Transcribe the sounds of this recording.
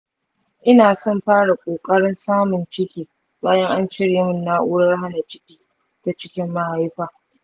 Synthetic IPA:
ʔɪ˦naː˨sɔ˦mɸaː˦ɽa˨kʷʼoː˨kʼɐ˦ɽɪ˦nsaː˦mʊ˨nt͡ʃɪ˦kʲiː˨ | baː˦jɐ˦ŋʔa˦nt͡ʃɪ˦ɽeː˨˦mʊ˦nːa˦ʔuː˦ɽɐ˦rɦa˦na˨t͡ʃɪ˦kʲiː˦ | ta˨t͡ʃɪ̥˦kʲɪ˦mːa˦ha˦jɸaː˨

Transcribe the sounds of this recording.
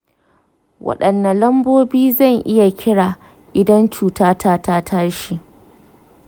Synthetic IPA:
wɐ̰˦ɗɐ˨nːɐ˨lɐ˦mboː˦biː˦zɐ˦˨ŋʔɪ˦ja˨kʲɪ˦ɽaː˨ | ʔɪ˨dɐ˦nt͡ʃuː˨taː˦tʰaː˦taː˦tʰa˦ɽʃi˨ʔ

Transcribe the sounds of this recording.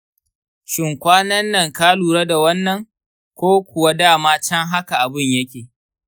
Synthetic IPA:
ʃɪ˨ŋkʷaː˦nɐ˦nːɐ˨ŋkaː˦luː˨ɾɐ˦da˨wɐ˦nːɐ˨ŋ | kʷoː˦kʷʊ˨wa˦daː˦˨maː˦t͡ʃɐ˦ŋɦa˦ka˨ʔa˨bɪ˦˨ɲjɐ˦kʲeː˨

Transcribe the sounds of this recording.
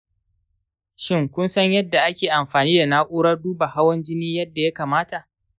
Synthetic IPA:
ʃɪ˦˨ŋkʷʊ˦nsɐ˦ɲjɐ˦dːa˨ʔa˦kʲeː˨ʔa˨mɸaː˨niː˦da˨naː˦ʔʷʼuː˦ɽɐ˦rduː˦ba˨ha˦wɐ˦nd͡ʒɪ˦niː˦jɐ˦dːa˨ja˦kaː˨maː˦ta˨ʔ

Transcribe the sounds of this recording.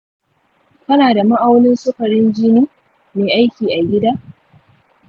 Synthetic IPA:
kɐ˦naː˨da˨ma˦ʔa˦wnɪ˦nsʊ˦ɸɐ˨ɾɪ˦nd͡ʒɪ˦niː˦ | meː˨ʔa˦jkʲiː˨ʔa˨ɡʲɪ˦daː˦

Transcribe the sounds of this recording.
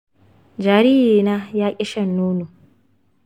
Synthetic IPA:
d͡ʒaː˨ɾiː˦jiː˨naː˦jaː˦kʲʼɪ˦ʃɐ˦nːoː˦no˨

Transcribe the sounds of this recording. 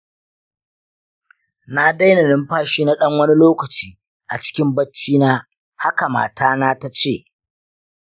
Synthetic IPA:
na˦da˦jna˨nɪ˦mɸaː˦ʃiː˦na˦ɗɐ˦ŋwɐ˦ni˦loː˦kɐ˨t͡ʃiː˨ | ʔa̰˨t͡ʃɪ̥˦kʲɪ˦mbɐ˦t͡ʃːiː˦naː˦ | ha˦ka˨ma̰ː˨taː˦naː˦ta˦t͡ʃeː˦˨ʔ

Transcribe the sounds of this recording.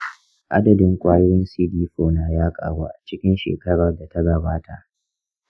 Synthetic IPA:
ʔa̰˦dɐ˨dɪ˦ŋkʷʼaː˦jɪ˦ɾɪ˦nsiː˦diː˦ɸoː˨naː˨jaː˦kʼa̰ː˨ɽaː˦ʔa˨t͡ʃɪ˦kʲɪ˦nʃḛː˨kɐ˦ɽɐ˨rda˨ta˦ɡɐ˨baː˦ta˨ʔ

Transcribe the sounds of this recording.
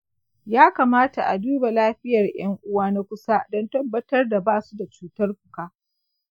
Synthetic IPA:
jaː˦kaː˨maː˦ta˨ʔa˨duː˦ba˨laː˦ɸɪ˦jɐ˨rj̰ɐ˦ŋʔʊ˦waː˦na˦kʷʊ˦sa˦dɔ˦ntɐ˦bːɐ˦tɐ˦rda˨baː˦su˦da˨t͡ʃuː˦tɐ˦rkʷʊ˨kaː˦

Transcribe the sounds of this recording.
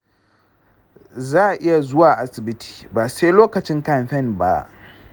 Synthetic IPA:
zaː˦˨ʔʔɪ˦ja˨zʊ˦waː˨ʔa˦sɪ˨bɪ˦tʰi̥ː˨ba˨se˦loː˦kɐ˨t͡ʃɪ˦ŋka˦˨nɸɛ˦˨nba̰˦

